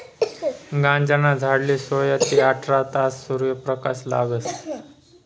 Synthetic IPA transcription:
ɡãnd͡ʑanad͡zʱaɽlisojat̪iaʈʰɾat̪asːuɾjəpɾəkasla̰ɡəs

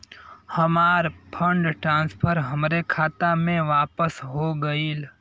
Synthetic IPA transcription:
həmaːɾpʰə̃ɳɖʈɾãːnspʰəɾɦəmɾekʰaːt̪amẽʋaːpəsɦoɡəiːl

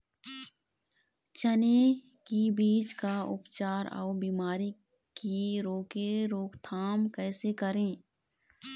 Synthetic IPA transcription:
t͡ʃəne | kibiːd͡ʒkaʊ̰pt͡ʃaːɾɔ̰ːbiːmaːɾi | kiɾoːkeɾoːkt̪ʰaːmkɛːsekəɾẽː

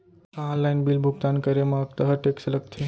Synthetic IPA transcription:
ãɔ̃nlajinbilbʱuɡt̪ankəɾemãkt̪əɦəʈeksləɡ̚t̪ʰe

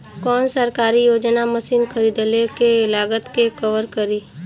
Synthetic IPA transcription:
kɔːnsəɾkaːɾijoːd͡ʒnaməsiːnxʰəɾiːd̪lekeɪlaːɡət̪kekəʋəɾkəɾiː

